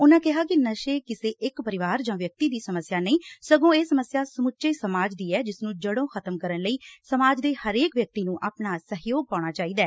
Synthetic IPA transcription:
ʊnãːkɪɦaːkɪnəʃeːkɪseːʔɪkpəɾɪʋaːɾd͡ʒãːʋjək̚t̪iːd̪iːsəməsjaːnəĩːsəɡõːeːsəməsjaːsəmʊtːt͡ʃeːsəmaːd͡ʒd̪iːɛːd͡ʒɪsnũːd͡ʒəɽõːxʰət̪əmkəɾənləiːsəmaːd͡ʒd̪eːhəɾeːkʋjək̚t̪iːnũːʔa̰ːpnaːsəɦjoːɡ̚paːɽ̃aːt͡ʃaːiːd̪aː

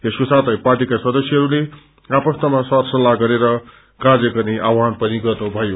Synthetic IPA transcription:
eskosat̪ʰʌjparʈikaswʌd̪ʌsjiɦʌɾule | apʌst̪ʌmasʌrsʌlːaɡʌɾeɾʌ | kad͡zʌkʌniʔawanpʌniɡʌrnubʱʌjo

